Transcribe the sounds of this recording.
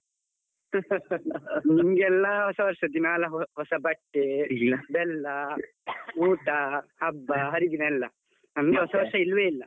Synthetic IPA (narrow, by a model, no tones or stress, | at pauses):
nimɐɡɛlːɐɦɔsɐʋɐɾʂɐd̪inaːlɐɦɦɔsɐbɐʈːebɛlːɐ | uːʈɐhɐbːɐɦɐɾid̪inɐlːɐ | nɐmɡeɦɔsɐʋɐɾʂɐilʋeilːɐ